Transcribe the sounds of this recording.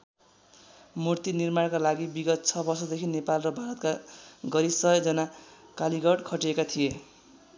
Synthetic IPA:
murt̪inirmarkalaɡibiɡʌt̪̚t͡sʰʌbʌrsʌd̪ekʰinepalrʌbʱaɾʌt̪kaɡʌɾisʌʌd͡zʌnakaliɡʌɽkʰʌʈiekat̪ʰije

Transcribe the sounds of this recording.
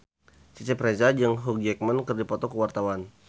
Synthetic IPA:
t͡ʃit͡ʃɛpɾezad͡ʒəŋɦuk̚d͡ʒɛk̚mənkərdipɔt̪ɔkəwart̪awan

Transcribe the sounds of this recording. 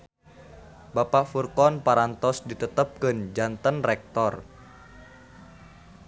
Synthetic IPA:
bapaʔfurkɔnpaɾant̪ɔsdit̪ət̪əp̚kənd͡ʒant̪ənrɛk̚t̪ɔr

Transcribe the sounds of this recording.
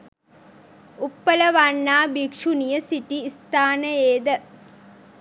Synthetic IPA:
upːələʋanːaːbikʂunijəsiʈiːst̪aːnəeːd̪ə

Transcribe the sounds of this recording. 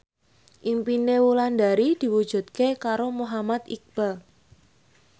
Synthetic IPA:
ʔimpinewuland̪aɾid̪̥i̤wud̥ʒ̥ṳt̪̚kekaɾomoɦamat̪ḭk̚b̥al

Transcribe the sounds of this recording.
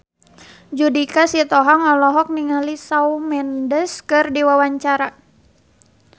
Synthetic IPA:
d͡ʒudikasit̪ɔɦaŋɔlɔɦɔk̚niŋalisaumɛndəskɨrdiwawaɲt͡ʃaɾa

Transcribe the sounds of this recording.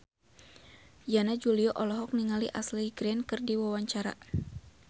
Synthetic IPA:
janad͡ʒuliɔʔɔlɔɦɔk̚niŋaliʔasliɡɾɛnkɨrdiwawaɲt͡ʃaɾa̰

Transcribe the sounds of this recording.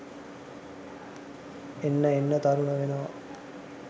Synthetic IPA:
enːəenːət̪ɐɾuɳəʋenoʋɐ̰

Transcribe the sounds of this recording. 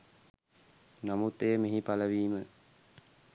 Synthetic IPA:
namut̪ːejəmeɦipaləʋiːmə

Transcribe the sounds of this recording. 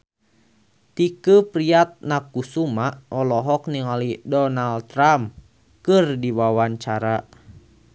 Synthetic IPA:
t̪ikəpɾiat̪̚nakusumaʔɔlɔɦɔkniŋalidɔnalt̪ɾam | kɨrdiwawaɲt͡ʃaɾa

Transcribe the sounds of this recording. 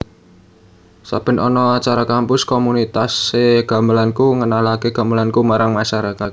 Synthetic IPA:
sa̰pə̤nʔɔ̰nɔat͡ʃaɾakampʊskomunit̪aseɡ̥a̤mbəlankuŋənalakeɡ̥a̤mbəlankumaɾaŋmaʃaɾakat̪̚

